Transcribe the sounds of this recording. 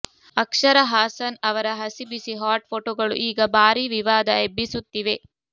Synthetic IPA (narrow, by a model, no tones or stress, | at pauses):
ɐkʂɐɾɐɦaːsɐnɐʋɐɾɐɦɐsibisiɦaːɾʈ̚pʰoʈoːɡɐɭṵʔiːɡɐbʱaːɾiʋiʋaːd̪ɐebːisut̪ːiʋe̞